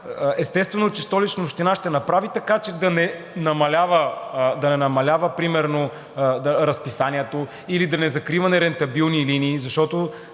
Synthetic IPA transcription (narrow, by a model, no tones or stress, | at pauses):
ɛst̪ɛst̪vɛnot͡ʃɛst̪ɔlit͡ʃnɐoʃt̪inaʃt̪ɛnɐpɾavit̪ɐkat͡ʃɛd̪ɐnɛ | nɐmɐlʲavəd̪ɐnɛnɐmɐlʲavəpɾimɛɾno | ɾɐspisaniɛt̪o | ilid̪ɐnɛzɐkɾivɐnɛɾɛnt̪ɐbilˠniliniːzɐʃt̪ɔt̪o